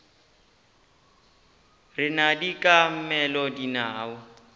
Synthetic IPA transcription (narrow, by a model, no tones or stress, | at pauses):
rɪnadikʼam̩mɛlɔdinaːʊ